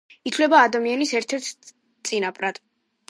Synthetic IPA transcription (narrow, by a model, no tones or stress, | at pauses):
it̪ʰvlɛbaːd̪amianisɛɾt̪ʰɛɾt̪ʰ | t̪sʼinapʼɾad̪̥